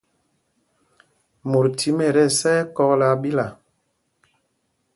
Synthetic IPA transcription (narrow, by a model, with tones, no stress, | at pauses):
mo˨ɾtʰi˨˦me˨ɾɛ˦˨sɛ˦kɔ˦la˦ɓi˦la˨